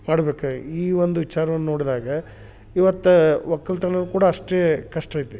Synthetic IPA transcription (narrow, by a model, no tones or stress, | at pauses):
maːɽɐbeːkuiːʋond̪uʋit͡ʃaːɾɐʋɐnːɐno̞ːɽid̪aːɡɐ | iʋɐt̪ːuʋɐkːɐlt̪ɐnɐnːukuːɽɐːʂʈeːkɐʂʈɐjt̪u